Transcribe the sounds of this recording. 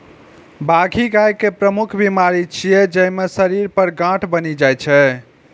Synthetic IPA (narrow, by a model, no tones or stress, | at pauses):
baɡʱiɡajkepɾəmukʰbimaɾit͡ʃʰijed͡ʒəjmesəɾiɾpəɾɡãʈʰbənid͡ʒajt͡ʃʰɛ